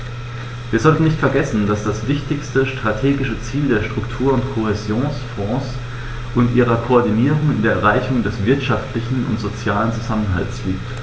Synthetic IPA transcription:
viːɐzɔltn̩nɪçtfɛɐɡɛsn̩d̥asd̥asv̥ɪçtɪçstəʃtʁ̥atʰeːɡɪʃət͡siːldeːɐʃtʁ̥ʊktʰuːɐʊntkʰohezjoːnsfɔ̃ːs | ʔʊntʔiːʁ̞ɐkʰoːɐdiniːʁʊŋɪndeːɐɛɐʁaɪçʊŋdɛsv̥ɪɐtʃaftlɪçn̩ʊ̰ntz̥ot͡sjaːlənt͡suzamənɦa̰ltslḭːk̚t

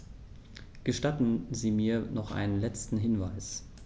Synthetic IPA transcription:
ɡ̥əʃtatn̩ziːmiːɐnɔχʔa̰ɪnənlɛt͡stn̩ɦɪnvaɪs

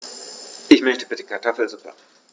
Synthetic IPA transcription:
ʔɪçmœçtəbɪtəkʰaɐtʰɔfl̩zupa̰

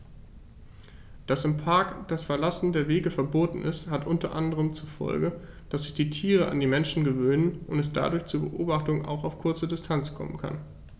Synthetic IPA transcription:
d̥asɪmpʰaɐkd̥asfɛɐlasn̩deːɐveːɡəfɛɐboːtn̩ʔɪ̰sthatʔʊntɐʔandəʁ̞əmt͡sufɔ̰lɡə | d̥asz̥ɪçd̥iːtʰiːʁ̞əʔa̰ndiːmɛnʃn̩ɡəvøːnənʔʊntɛsd̥a̰dʊɐçt͡suɐbə̰ʔo̰ːbaχtʊŋʔa̰ʊxaʊfkʰʊɐt͡sədɪstʰant͡skʰɔ̰mənkʰa̰n

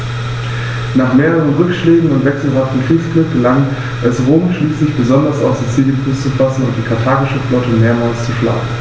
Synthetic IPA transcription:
naːχmeːʁ̞əʁ̞ənʁʏkʃlɛːɡŋ̩ʊntv̥ɛksl̩ɦatn̩fɪfklɪk̚ɡ̥əlaŋ | ʔɛsʁoːmʃliːslɪçb̥əzɔndɐsa̰ʊsd̥eːt͡siːɡənpʊst͡sufasn̩ʊnt̚d̥iːkʰaɐtʰaːɡɪʃəflɔtəmeːɐmaːlst͡suʃla̰ːɡŋ̩

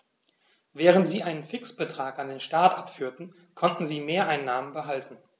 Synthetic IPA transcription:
vɛːʁ̞əntz̥iːʔaɪnənfɪksb̥ətʁ̥aːkandeːnʃtaɐtʔapfyːɐtn̩ | kʰɔntn̩ziːmeːɐʔaɪnːaːmənbəɦaltn̩

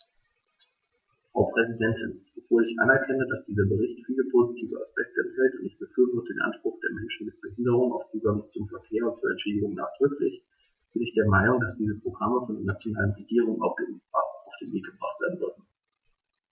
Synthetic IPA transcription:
fʁ̥aʊpʁ̥ɛzidɛntʰɪnb̥ovoːɐlɪçʔa̰nɛɐkʰɛnədasd̥iːzɐbəʁɪçtfiːləpʰoːzitʰiːvəaspɛk̚təɛnthɛltʊntɪçb̥əfyːɐvɔːtəd̥ḛːnʔa̰nʃpʁ̥ʊχd̥eːɐmɛnʃn̩mɪt̚b̥əhɪndəʁ̞ʊŋaʊft͡suːɡaŋt͡sʊmfɛɐkʰeːɐʊnt̚t͡suɐɛ̰ntʃeːdɪɡʊŋna̰ːχd̥ʁʏklɪ̰ç | b̥ɪnɪçd̥eːɐmaɪnʊŋdasd̥iːzəpʁ̥oɡʁaməfɔndeɐnat͡sjonaːlənʁeɡiːʁ̞ʊŋəna̰ʊfɡ̥eʔpʁ̥a̰ːfʊŋa̰ʊfd̥eːnveːk̚ɡ̥əb̥ʁa̰χtv̥eːɐdn̩zʏɐdn̩

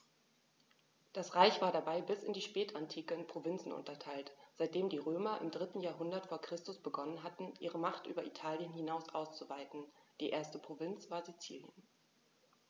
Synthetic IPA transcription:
d̥asʁaɪçv̥aːɐdabaɪbɪsɪndiːʃpɛːtʰantʰiːkəɪnpʁ̥ovɪnt͡sn̩ʔʊ̰ntɐtʰaɪltz̥aɪt̚d̥eːmdiːʁøːmɐʔɪ̰mdʁɪtn̩jaːɐɦʊndɐtfoːɐkʁ̥ɪstʊsb̥əɡɔnənɦatn̩ʔiːʁəmaχtʔy̰ːbɐʔitʰaːljənhinaʊsʔaʊst͡suvaɪtn̩d̥iːʔeːɐstəpʁ̥ovɪnt͡sv̥aːɐzit͡sḭːljə̰n

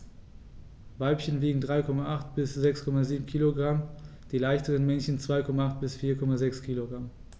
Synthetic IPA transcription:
vaɪpçənviːɡŋ̩dʁaɪkʰɔmaʔaχt̚b̥ɪsz̥ɛkskʰɔmaziːbm̩kʰiːloɡʁam | d̥iːlaɪçtəʁənmɛnçən̩t͡sv̥aɪkʰɔmaaχt̚b̥ɪsfiːɐkʰɔmazɛkskʰiːloɡʁam

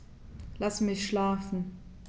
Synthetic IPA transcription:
lasmɪçʃlaːfn̩

